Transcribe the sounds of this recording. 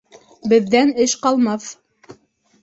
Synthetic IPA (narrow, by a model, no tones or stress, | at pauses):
bɘ̆ðːænɘʃqɑlˠmɑθ